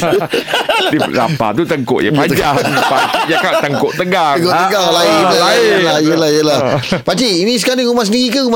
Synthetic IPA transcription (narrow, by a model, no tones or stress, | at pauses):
diɾa̰pa̰t̪ut̪əŋko̰ʔja̰pad͡ʒapajakat̪əŋkoʔt̪əɡaɡoʔt̪əɡaŋlailaalajəlahjəlabat͡ʃiinĩs̬əkaliɾumas̬əniɣikuum